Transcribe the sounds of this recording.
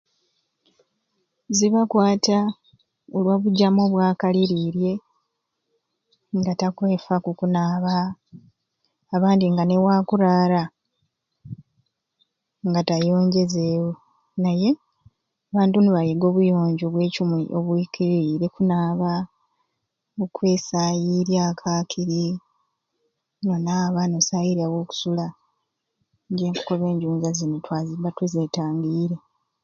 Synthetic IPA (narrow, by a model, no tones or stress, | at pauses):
ziβakwaːta | olwoːβuɟamoβwaːkaliɾiːɾje̞ | ŋɡatakwe̞ːfakukunaːβa | βaːndiŋɡane̞wakuɾaːɾa | ŋɡatajo̞ːɲɟe̞zewo | naje̞ | aβaːntuniβajeɡo̞ːβujo̞ːɲɟoβwe̞ːcumiʔoβwikiɾiɾekunaːβa | okwe̞saːjiɾjaːkʰaːkʰiɾi | nonaːβanosaːjiɾiawo̞ːku̥sula | ɲɟe̞ːŋku̥ko̞βe̞ːɲɟuːɲzazinotwaːzibatwuzeːtaːŋɡiːɾe̞